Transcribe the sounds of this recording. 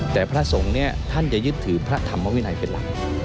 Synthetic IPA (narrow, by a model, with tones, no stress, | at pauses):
t̪ɛː˨˩pʰɾa˦˥ʔso˨˩˦ŋni˥˩ɐt̪ʰa˥˩nt͡ɕa˨˩jɯ˦˥t̪ʰːɯː˩˦pʰɾa˦˥t̪ʰa˧mːa˧˥wi˦˥˨na˧˩jpe˧nla̰˨˦